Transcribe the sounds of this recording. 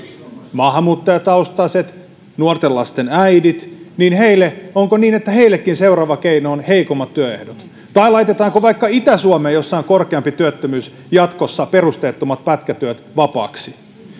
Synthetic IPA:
mɑːɦɑmuːt̪ːɑjɑt̪ɑust̪ɑset̪ | nuort̪elɑst̪enæjdit̪niːnheilːeoŋkoniːnet̪ːæheilːˑekːinse̞urɑːʋɑkeinoːnheikomːɑt̪t̪ːyøehdot̪ | t̪ɑilɑit̪et̪ɑːŋkoʋɑikːɑit̪æsuomejosːɑiŋkorkeɑmpit̪yøt̪ːømyːs | jɑt̪kosːɑperust̪eːt̪ːomɑt̪̚pæt̪kæt̪yøt̪ʋɑpɑ̰ːksi

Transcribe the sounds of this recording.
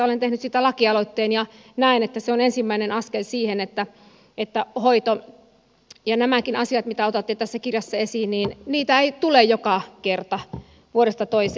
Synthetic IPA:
olent̪ehnyssiːt̪ælɑkiɑloit̪ːeːnjɑ | næinet̪ːæseonensimːæinenɑskelsiːhenet̪ːæ | et̪ːæhoit̪o | jɑnæmækinɑsiɑt̪mit̪æot̪ɑt̪ːit̪æsːækirjɑsːæesiːnniːnniːt̪æeit̪ulejjokɑkert̪ɑ | ʋuoɾest̪ɑt̪oise

